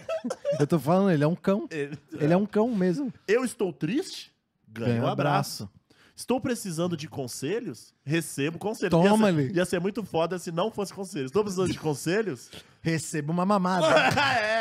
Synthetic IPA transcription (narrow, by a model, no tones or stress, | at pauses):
ewt̪ofalɐ̃nd̪ʊelɪɛũkɐ̃w̃eelɪɛũkɐ̃w̃mezmʊewɪst̪owt̪ɾist͡ʃɪ̥ | ɡɐ̃ɡɐ̃ɲũabɾasʊ | ɪst̪owpɾesizɐ̃nd̪ʊd͡ʒɪkõseʎʊs | hesebʊkõselʎʊõiamɐliɪasĩɛmũj̃t̪ʊfɔd̪ɐɛasĩnɐ̃w̃fosɪ̥kõselʊest̪owpɾes̬izɐ̃d̪ʊd͡ʒɪkõseʎʊs | hesebũmɐmɐ̃mad̪ɛ